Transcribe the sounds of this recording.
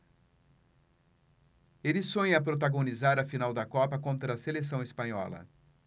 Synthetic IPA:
elɪsõj̃ɐpɾot̪aɡonizaɾɐfinawd̪ɐkɔpɐkõnt̪ɾɐːseles̬ɐ̃w̃ɪspɐ̃ɲɔ̰lɐ̰

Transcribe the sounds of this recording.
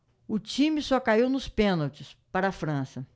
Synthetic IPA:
ʊt͡ʃĩmɪsɔkaiwnʊspẽnawt͡ʃɪspaɾɐːfɾɐ̃sɐ

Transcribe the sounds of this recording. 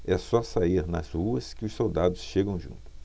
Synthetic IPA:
ɛsɔsaiɾnɐ̰zhuɐskɪʊssowd̪ad̪ʊsʃeɡɐ̃w̃ʒṵ̃nt̪ʊ̥

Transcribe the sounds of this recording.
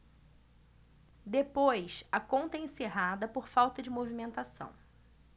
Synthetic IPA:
d̪epojsɐkõnt̪ɐẽseɦad̪ɐpoɾfawt̪ɐd͡ʒɪmovimẽnt̪asɐ̰̃w̃

